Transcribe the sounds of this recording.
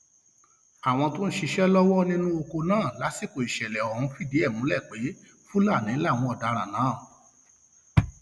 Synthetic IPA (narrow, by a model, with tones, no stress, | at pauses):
a˨w̃ɔ̃˧to˦n̩˦ʃi˧ʃɛ˦lɔ˦wɔ˦nĩ˦nũ˦o˧ko˧nãː˦˨la˨˦si˦˨ko˨i˨ʃɛ˨lɛ˨ɔ˨hũ˧fi˦˨de˨˦ɛ˦˨mũ˨˦lɛ˦˨k͡pe˨˦ | fũ˦la˦˨nĩ˨˦la˦˨w̃ɔ̃˧ɔ˨da˧ɾa˨nãː˨˦˨